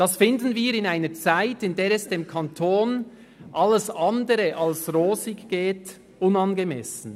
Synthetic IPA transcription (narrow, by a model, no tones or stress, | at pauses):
d̥ɑsfɪndn̩viːɾɪnaɪnət͡saɪtɪndeːɾɛsd̥eːmkʰɑntʰoːn | ʔɑləsɑndəɾəʔɑlsʁoːzɪɡɡ̥eːt | ʊnɑnɡəmɛ̰sn̩